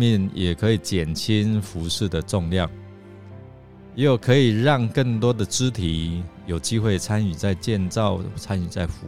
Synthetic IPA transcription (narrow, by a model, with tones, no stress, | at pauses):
mjɛ˥˨njɛ˨˩kʰɤ˨˦i˨˩t͡ɕjɛ˨˩nt͡ɕʰi˦nfu˨˧˦ʂɻ̩˥˩d̪ə˩ʈ͡ʂɔ˥˧ŋljɑ˥˩ŋ | je˧˦jo˨˩kʰɤ˨˧˦i˨˩ɻɑ˥˧ŋkə˥˩ŋt̪wɔ˥d̪ə˨ʈ͡ʂɻ̩˦t̪ʰi˨˦jo˨˩ʊt͡ɕi˦xwe˥˩ɪt͡sʰa˦ny˨˩t͡sa˥˧ɪt͡ɕjɛ˥˧nt͡sɑ˥˨ʊt͡sʰa˦ny˨˩t͡sa˥˩ɪfu˧˦